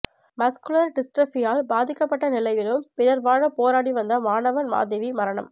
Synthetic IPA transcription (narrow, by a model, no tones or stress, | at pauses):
mɐskʊlɐɾɖɪsʈɾɐfɪjaːlbaːðɪkːɐpːɐʈːɐnɪlɐjɪlɯmpɪɾɐɾʋaːɻɐpoːɾaːɽiʋɐnd̪ɐʋaːɳɐʋɐnma̰ːðɪʋimɐɾɐɳɐ̰m